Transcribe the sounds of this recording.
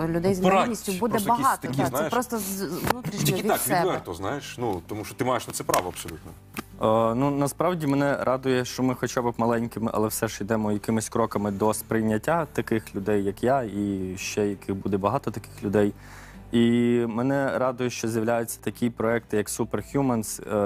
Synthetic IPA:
lʲʊd̪ɛjzmnʲisʲtʲʊbud̪ɛbbɐɦɑt̪ɐnɛjpɾɔst̪ɔzʋnut̪ɾʲiʃʲɪʋik̪sʲɛʋɛrt̪ɔznɑjeʃnut̪ɔmuʃt͡ʃɔt̪ɪmɑjeʃnɐt̪sɛpɾɑ̰ʋɔɐpsɔlʲut̪nɔ | nunɐspɾɑwdʲimenɛɾʔɑd̪ʊjɛʃt͡ʃɔmɪxɔt͡ʃabɪpmɐlˠɛnʲkɪmɪʔɐ̰lˠɛwsɛʒid̪ɛmɔjɐkɪmɪsʲkɾɔkɐmɪd̪ɔspɾɪjnʲːɐtʲːat̪ɐkɪxlʲʊd̪ɛjːɐkjaiʃt͡ʃɛjɐkɪɣbud̪ɛbɐɦɑt̪ɔt̪ɐkɪ̥xlʲʊd̪ɛj | imɛnɛɾɑd̪ʊjɛʃt͡ʃɔzʲjɐwlʲajʊt͡sʲːɐ̥t̪ɐkʲipɾɔɛk̚t̪ɪjɐksuperxʲjumɐns

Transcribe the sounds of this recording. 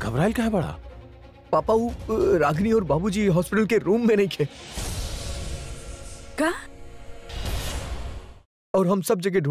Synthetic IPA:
ɡʱɐbɾaːɪlkaɦɛbɐɽ̤a̰ː | paːpauɾaːɡniɔːɾbaːbud͡ʒiɦɔːspɪʈəlkeɾuːmːẽnɐɦĩkʰeː | kaː | ɔːɾɦɐmsɐb̚d͡ʒɐɡeɖʱ

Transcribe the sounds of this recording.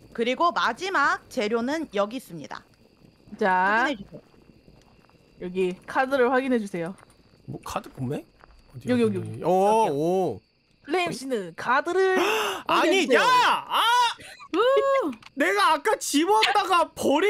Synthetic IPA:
kɯɾiɡomad͡ʑimak̚t͡ɕe̞ɾjonɯnjʌɡis͈ɯmɲḭda̰ | t͡ɕaaiɦed͡ʑue | jʌɡikʰadɯɾɯɭɸwaɡinɦed͡ʑusʰe̞jo | okʰadɯkume | joɡioɡioɡʌː | pɭːeiɕ͈inɯnkʰadɯɾɯɭaɲijaa | ne̞ɡaːk͈at͡ɕibʌt͈aɡapoɾi

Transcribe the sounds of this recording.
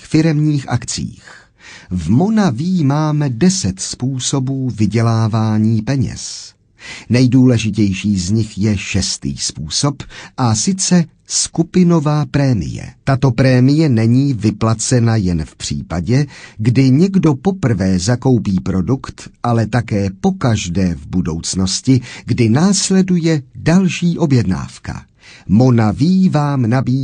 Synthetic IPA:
fɪɾɛmɲiːxʔakt͡sḭːx | vmo̞naviːmaːmɛdɛsɛt̪spuːso̞buːvɪɟɛlaːvaːɲiːpɛɲɛ̰s | nɛjduːlɛʒɪcɛjʃiːzɲɪxjɛʃɛst̪ḭːspuːso̞pʔasɪt͡sɛ | skupɪno̞vaːpɾɛːmɪ̰jɛ̰t̪at̪o̞pɾɛːmɪjɛnɛɲiːvɪplat͡sɛnajɛnfpr̝̥ḭːpaɟɛɡdɪɲɛɡdo̞po̞pr̩vɛːzako̞wpiːpɾo̞dukt̪ʔalɛt̪akɛːpo̞kaʒdɛːvbudo̞wt͡sno̞scɪɡdɪnaːslɛdujɛdalʃiːʔo̞bjɛdna̰ːfka̰ | mo̞naviːvaːmnabiː

